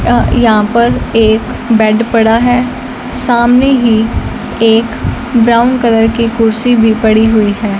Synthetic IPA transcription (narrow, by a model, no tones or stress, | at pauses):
jɐɦãpɐɾeːk | bɛɖpɐɽaɦɛː | saːmneɦi | eːk | bɾaːʊnkɐləɾkikʊɾsibʱipɐɽiɦʊiɦɛː